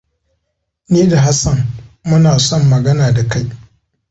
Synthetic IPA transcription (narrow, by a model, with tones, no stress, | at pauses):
niː˦da˨ɦa˦sɐ˨nmʊ˦naː˨sɔ˦mːɐ˨ɡɐ˦naː˨da˨ka˦j